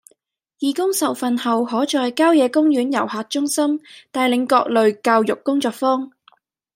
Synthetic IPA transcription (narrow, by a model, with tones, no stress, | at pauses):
jiː˨kʊ˥ŋsɐ˨wfɐ˨nhɐ˨whɔː˨˥t͡ʃɔː˨˧jkaː˥wjɛː˨˧kʊ˥ŋjyː˨˥njɐ̰˨˩whaː˨t̚t͡ʃʊ˥ŋsɐ˥mt̪aː˨jlɪ˨˧ŋkɔː˧k̚lɵ˨ɥkaː˧wjʊ˨kːʊ˥ŋt͡sɔː˧k̚fɔː˥ŋ